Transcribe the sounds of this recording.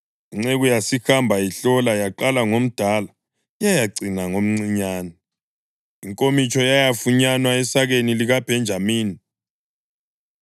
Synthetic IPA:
iŋ͡ǀeɣujasixambʱaiɬɔlajaǃalaŋom̩d̥ʱala | jajaɡ͡ǀinaŋom̩ŋ͡ǀiɲaːnɔ | iŋkʼomit͡ʃʰʼɔjajafuɲanwaɛsaɣeniliɣab̥ʱɛnd͡ʒʱamiːni

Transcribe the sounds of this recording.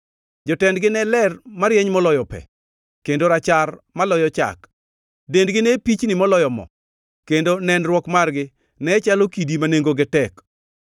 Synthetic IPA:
d͡ʒɔtɛndɡɪnɛlɛrmaɾjeɲmɔlɔjɔpɛ̰ | kendoɾat͡ʃarmalɔjɔt͡ʃa̰k | dendɡɪnepit͡ʃnɪmɔlɔjɔmɔ̰ | kendonɛnrwɔkmarɡɪ | nɛt͡ʃalokidimaneŋɡoɡɪtɛk

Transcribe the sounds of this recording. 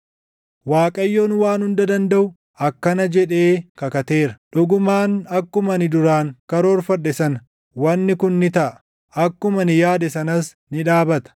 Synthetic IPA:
waːkʼɐjːo̞ːnwaːnhʊnd̪ɐd̪ɐnd̪ɐʔʊ | ɐkːɐnɐd͡ʒɛᶑe̞ːkɐkɐt̪e̞ːɾɐ̥ᶑʊɡʊmaːnɐkːʊmɐnɪd̪ʊɾaːŋkɐɾo̞ːɾfɐᶑːɛsɐnɐ | wɐnːɪkʊnːɪt̪ɐʔ | ɐkːʊmɐnɪjaːd̪ɛsɐnɐs | nɪᶑaːbɐt̪ɐ̥

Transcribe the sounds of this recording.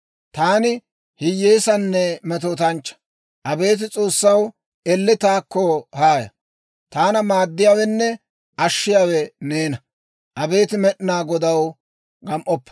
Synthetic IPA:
t̪aːnɪ | hɪjːeːsɐnːɛmɛt̪̬oːt̪ɐnt͡ʃːɐ̥ | ʔɐbe̞ːt̪̬ɪt͡sʼo̞ːsːɐw | ɛlːɪt̪aːkːɔhaːjɐ̰ | t̪aːnɐmaːd̪ːɪjaːwɛnːɛ | ʔɐʃːɪjaːwɛneːnɐ | ʔɐbe̞ːt̪ɪmɛɗɪnaːɡɔd̪ɐw | ɡɐmʔɔpːɐ̥

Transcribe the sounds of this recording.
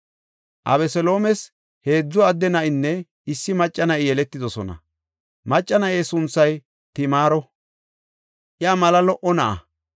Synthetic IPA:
ʔɐ̰bɛsɔlo̞ːmɛs | he̞ːd͡zːɔɐd̪ːɛnɐʔɪnːɛ | ɪsːɪmɐt͡ʃʼːɐnɐɪjɛlɛt̪ːɪd̪ɔsɔnɐ̰ | mɐt͡ʃʼːɐnɐʔesʊnsɐj | t̪ɪmaːɾɔ | ʔɪɐmɐlɐlɔʔɔnɐʔɐ̰

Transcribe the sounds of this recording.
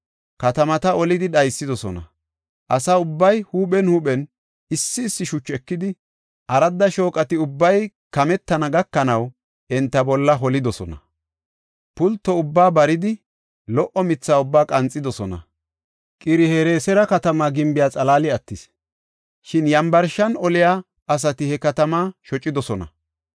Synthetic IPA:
kɐt̪ɐmɐt̪ɐɔlɪd̪ɪɗɐjsːɪd̪ɔsɔnɐ̰ | ʔɐsaːʊbːɐjhuːɓɛnhuːɓɛn | ɪsːɪːsːɪʃʊt͡ʃːɛkːɪd̪ɪ | ʔɐɾɐd̪ːɐʃo̞ːkʼɐt̪ɪʊbːɐj | kɐmɛt̪ːɐnɐɡɐkːɐnɐw | ɛnt̪ːɐbɔlːɐɦɔlɪd̪ɔsɔnɐ̰ | pʊlt̪ːɔʊbːaːbɐɾɪd̪ɪ | lɔʔɔmɪt͡sːaːʊbːaːkʼɐnt͡sʼːɪd̪ɔsɔnɐ̰ | kʼɪɾɪheːɾeːsɛɾɐkɐt̪ɐmaːɡɪmbɪjaːt͡sʼɐlaːlɪɐt̪ːɪs | ʃɪnjɐmbɐɾʃɐnɔlɪja | ʔɐs̬ɐt̪ɪhɛkɐt̪ɐmaːʃɔt͡ʃʼːɪd̪ɔsɔnɐ̰

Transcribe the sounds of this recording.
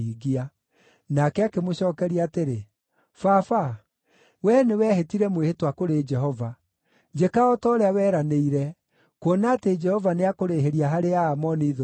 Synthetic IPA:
iɡia | nakɛakemoɕɔːkɛɾiaːteɾe | fafa | wɛnewɛhetiɾɛmwehetwakoɾed͡ʒɛɦɔva | d͡ʒekaɔtɔoɾeawɛːɾaneiɾɛ | kwonated͡ʒɛhɔvaneakoɾeɦeɾiaɦaɾeaːmɔneiðo

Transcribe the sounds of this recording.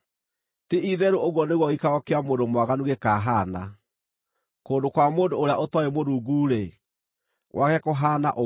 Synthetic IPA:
teʔiðɛɾooɣwɔneɣwɔɣikaɣɔkeamondomwaɣanuɣekaːɦaːna | koːndokwamoːndoːɾeaʔotwɔemoɾuːɡuɾe | wʔakɛkoɦaːna̰ʔo

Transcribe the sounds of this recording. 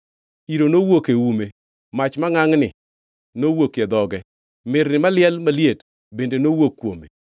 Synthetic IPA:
iɾonowokewume | mat͡ʃmaŋaŋnɪ̰ | nowokjɛd̪ɔɡɛ | mɪɾnɪmalɪɛlmaljed | bendenowokːwomḛ

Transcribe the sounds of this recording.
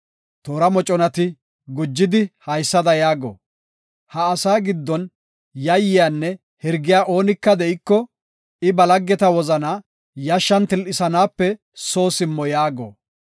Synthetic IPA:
t̪oːɾɐmɔt͡ʃʼɔnɐt̪ɪ | ɡʊd͡ʒːɪd̪ɪhɐjsːɐd̪ɐjaːɡo̰ː | hɐːsaːɡɪd̪ːɔn | jɐjːɪjaːnːɛ | hɪɾɡɪjaːʔo̞ːnɪkːɐd̪ɛɪkːɔ | ɪbɐlɐɡːɛt̪ɐwɔzɐnaː | jɐʃːɐnt̪ɪlʔɪsɐnaːpːɛ | soːsɪmːɔjaːɡo̰ː

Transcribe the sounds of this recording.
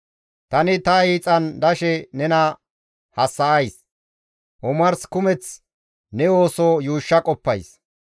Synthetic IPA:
t̪ɐnɪt̪ɐiːt͡sʼɐnd̪ɐʃɛnɛnɐ | hɐsːɐɐjs | ʔɔmɐɾskʊmɛt͡s | nɛoːsoːjuːʃːɐkʼɔpːɐ̰js

